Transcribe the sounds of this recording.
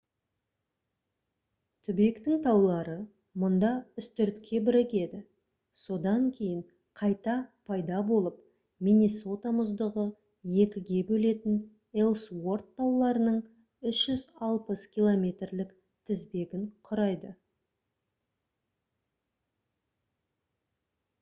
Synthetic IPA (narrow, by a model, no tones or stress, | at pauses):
t̪ʰʏbe̞kt̪ɪŋt̪ʰɑwlˠɑɾə | mʊnd̪ɑʏst̪ʏɾt̪kʲʰe̞bɪɾɪkʲe̞d̪ɪ | so̞d̪ɑŋkʲʰe̞jɪɴ | qʰɑjt̪ɑpʰɑjd̪ɑbo̞lˠəp̚ | mʲiniso̞t̪amʊzd̪əʁə | je̞kʲɪɡʲe̞bɵle̞t̪ɪn | elˠswo̞rt̪ʰːɑwlˠɑɾənəɴ | ʏsʒ̥ʏzɑlˠpəskʲʰilˠo̞mʲe̞t̪rlɪk | t̪ʰɪzbe̞ɡʲɪɴqʰʊɾɑjd̪ə